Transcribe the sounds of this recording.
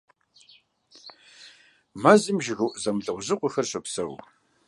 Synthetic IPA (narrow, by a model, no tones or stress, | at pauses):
mɐzɨmʒɪɣɐwʔzɐmɮɐʁʷʊʑɪqʷʊxɐrɕɐpsɐ̰w